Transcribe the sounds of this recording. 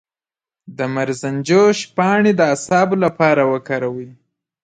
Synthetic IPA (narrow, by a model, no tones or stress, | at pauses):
d̪əmaɾzand͡ʒoʃpɑɳed̪əasɑbolapɑɾawəkɑɾawi